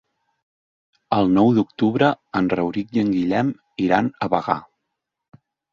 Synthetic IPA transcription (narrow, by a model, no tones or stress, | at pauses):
əlˠnɔwðuk̚t̪uβɾəənrəwɾik̚əŋɡiʎɛm | iɾanəβəɣa̰